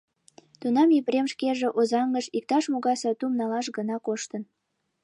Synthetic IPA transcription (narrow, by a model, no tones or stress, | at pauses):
t̪unɑmiβɾemʃkeʒĕʔozɑŋɡəʃik̚t̪ɑʃmoɣɑsɑt̪umnɑlɑʃɡənɑkoʃt̪ən